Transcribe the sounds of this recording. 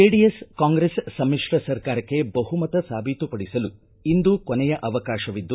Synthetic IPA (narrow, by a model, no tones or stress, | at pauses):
eːɖijeskaːŋɡɾesːɐmːiʂɾɐsɐɾkaːɾɐkːe̞bɐɦumɐt̪ɐsaːbʱit̪upɐɽisɐlu | ind̪ukonɛjɐʔɐʋɐkaːʃɐʋid̪ːu